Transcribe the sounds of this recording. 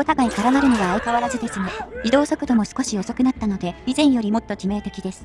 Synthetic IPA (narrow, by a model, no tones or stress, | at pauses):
ot̪akaikaɾamaɾɯ̟no̞ɡaːikaβaɾazɨd̪e̞sɨmoid̪o̞ːso̞kɯ̟d̪o̞mo̞sɨ̥ko̞ɕijo̞so̞kɯ̟nat̪ːano̞d̪e̞izẽ̞ɰ̃jo̞ɾʲimo̞t̪ːo̞kʲime̞ːt̪e̞kʲid̪e̞sɨ̥